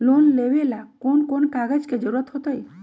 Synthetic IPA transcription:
lonlebelakonkonkaɡəd͡ʒked͡ʒəɾuɾət̪ɦot̪ɔj

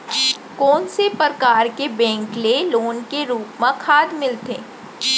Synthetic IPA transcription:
kɔːnsepəɾkaːɾkebɛ̃ːŋkleloːnkeɾuːpmãkʰaːd̪mɪlt̪eː

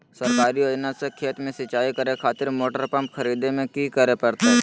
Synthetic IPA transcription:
sɐɾkaːɾijoːd͡ʒnasekʰeːt̪mẽsɐt͡ʃːaːikɐɾekʰaːt̪ɪɾmoːʈəɾpɐ̃mpxɐɾiːd̪emẽkikəɾepɐɾt̪aɦɛ

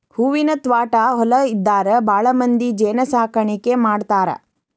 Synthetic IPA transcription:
huːʋinɐt̪ʋaːʈaɦɔlɐid̪ːaːɾɐbʱaːɭɐmɐnd̪id͡ʒeːnɐsaːkʰɐɳikemaːɽt̪aːɾɐ̰

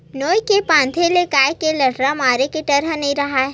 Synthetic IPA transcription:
noːjkepãːnd̪ʰʱelekaːjkelɐʈɾamaːɾekeʈ̪ɐɾənɐɦĩɾɐɦaːɛ

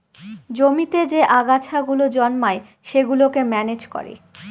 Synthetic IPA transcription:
d͡ʑomit̪ed͡ʑeʔaɡat͡ɕʰaɡulod͡ʑɔnmae | ʃeɡulokemɛned͡ʑko̰ɾḛ

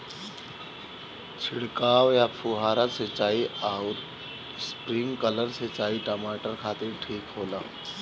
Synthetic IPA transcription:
t͡ʃʰɪɽkaːʋjapʰuɦaːɾaset͡ʃaːiaːuɾ | spɾɪ̃ŋɡkələɾset͡ʃaːiʈəmaːʈəɾkʰaːt̪ɪɾʈʰiːkɦoːlaː

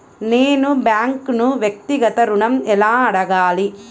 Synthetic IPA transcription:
neːnubjaːŋknuʋjɐk̚t̪iɡɐt̪ɐɾuɳɐmɛlaːɐɽɐɡaːli

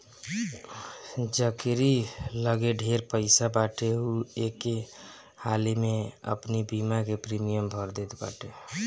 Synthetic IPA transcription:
d͡ʒəkeɾiləɡeɖʱeɾpəɪsabaʈeueke | halimeə̰pnibimakepɾimijəmbʱəɾd̪et̪ba̰ʈe

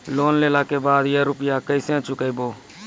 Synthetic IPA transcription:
loːnleːlaːkeːbaːd̪jəɾʊpɪjaːkəɪsẽːt͡ʃʊkəɪboː

